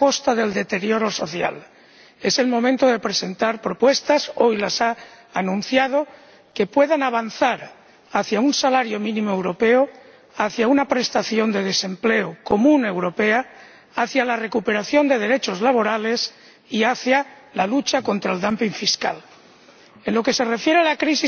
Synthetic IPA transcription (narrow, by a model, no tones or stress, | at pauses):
ako̞st̪aðe̞ld̪e̞t̪e̞ɾjo̞ɾo̞so̞θja̰l | e̞se̞lmo̞mẽnt̪o̞ðe̞pɾese̞nt̪aɾpɾo̞pwe̞st̪aso̞jlasaː | nũnθjað̞o̞ | ke̞pwe̞ðanaβ̞anθaɾ | aθjaunsalaɾjo̞mĩnĩmoewɾo̞pe̞o | aθjaunapɾe̞st̪aθjo̞nd̪e̞ðe̞se̞mple̞oko̞mũne̞wɾo̞pe̞aː | θjalare̞kupe̞ɾaθjo̞nd̪e̞ðe̞ɾe̞t͡ʃo̞zlaβ̞o̞ɾale̞s | iaθja | lalut͡ʃako̞nt̪ɾaeld̪ampiŋfiska̰l | e̞nlo̞ke̞se̞re̞fje̞ɾealakɾisi